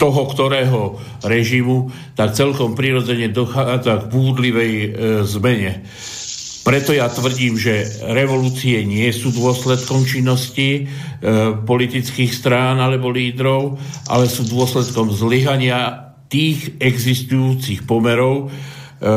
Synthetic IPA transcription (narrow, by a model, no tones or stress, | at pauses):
t̪ɔɦɔkt̪ɔɾɛːɦɔ | ɾɛʒimu | t̪akt͡sɛlkɔmpɾiːɾɔd͡zɛɲɛd̪ɔxaːd͡zaɡbuːd̪liʋɛjzmɛɲɛ | pɾɛt̪ɔjat̪ʋr̩ɟiːmʒɛɾɛʋɔluːt͡siɛɲɪɛsuːd̪ʊɔslɛt̪kɔmt͡ʃinːɔsci | pɔlit̪it͡skiːxst̪ɾaːnalɛbɔliːd̪ɾɔʊʔa̰lɛsuːd̪ʊɔslɛt̪kɔmzliɦaɲɪa | t̪iːɣɛɡzist̪ujuːt͡sixpɔmɛɾɔʊ